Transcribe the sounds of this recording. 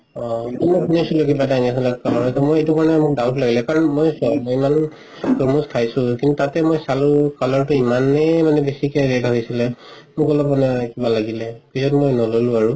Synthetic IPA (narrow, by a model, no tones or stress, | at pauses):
ɔtumokʰunisulokibataaniasɔlɛkalɔɹɦɔjsɛmojetukaɹɔnɛmʊk̚dawtlaɡilɛkaɹɔnmojsɔmiman | pomuskʰajsʊ̃kintutatɛmojsalukalɔɹtʊimanɛmanɛbesikɛɹedʱaɦojsilɛ | mʊkɔlɔpmanɛkibalaɡilɛpizɔtmojnɔlolʊ̃aɹu